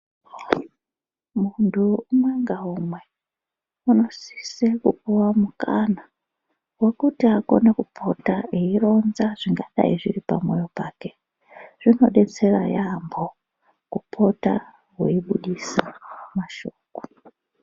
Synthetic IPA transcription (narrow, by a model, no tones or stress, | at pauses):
muntʰuumweŋɡaumwe | unosi̥sekṵpuwamukana | wokutiako̰nekupʰotaiiɾonzaʐ̥iŋɡaɗa̰iʐḭɾipa̰mwojopaːke | ʐ̥ino̰ɗet͡sʰeɾa̰jambo | kupʰota̰ | weiɓuɗisamaʃoːku̥